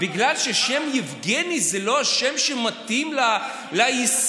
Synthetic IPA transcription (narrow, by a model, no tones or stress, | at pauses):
biɡlalʃeʃe̞mjivɡenizelo̞aʃemʃemat̪imla | lajis